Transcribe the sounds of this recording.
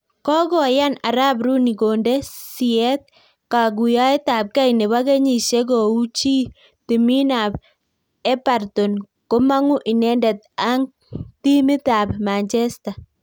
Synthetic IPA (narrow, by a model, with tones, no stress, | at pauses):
kɔ˦ɡɔ˨ja˦na̰˨ɾa˦b̬ɾu˦ni˨ɡo˨nde˦siɛ˦t̪̚ | ka˨ɡu˨ja˦i˦t̪a˨p̚ka˦ine˨wa˦ɡe˦ɲi˨ʃe˦ɡ̬ɔ˨u˦t͡ʃiː˦ | t̪i˨mi˦na˨b̚ | ɛ˦pa˨rt̪o˨n | ko˦ma˦ŋʊ˦ʔi˨nɛ˦ndɛ˨t̪̚a˦ŋ | ti˦mi˦t̪a˨bma˨nt͡ʃɛ˦sta˨